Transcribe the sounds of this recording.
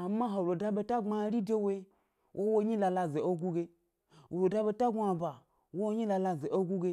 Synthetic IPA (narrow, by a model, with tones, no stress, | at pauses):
a˨mːa˦ɦo˨lo˨da˧ɓe˦˧ta˦ŋ͡ma˧˦ɾi˦de˦we˦ | wʔo˦wo˦ɲi˦la˧la˧ze˨o˦ɡu˦ɡe˧ | wo˨ɾo˨da˦ɓe˧ta˦ɡʷa˧ba˨ | wo˦wo˦ɲi˦la˧la˧ze˨ʔo˦ɡu˦ɡe˧